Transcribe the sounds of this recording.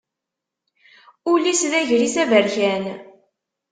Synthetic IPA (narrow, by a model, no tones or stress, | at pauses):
ʊlisðæʝɾisævəɾçæn